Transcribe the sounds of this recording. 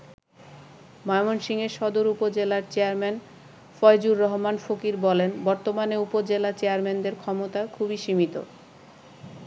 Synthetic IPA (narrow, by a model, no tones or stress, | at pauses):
mɔjmonʃiŋeɾʃɔd̪oɾupod͡ʑelaɾt͡ɕeaɾmɛn | fɔjd͡ʑuɾːɔɦomanfokiɾbɔlenbɔɾt̪omaneupod͡ʑelat͡ɕeaɾmend̪eɾkʰɔmot̪akʰubiʃimit̪o̰